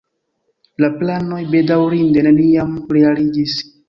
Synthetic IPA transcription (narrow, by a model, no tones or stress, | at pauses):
laplano̞jbe̞dawɾinde̞ne̞niamɾealid͡ʒis